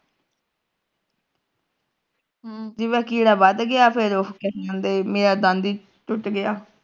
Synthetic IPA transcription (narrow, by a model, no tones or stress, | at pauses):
d͡ʒɪʋɛːkiːɽaːʋəd̪ɡɪjaːpʰɪɾokɛsãːnd̪eːmeːɾaːd̪ə̃nd̪iː | t͡ʃʊʈɡɪjaː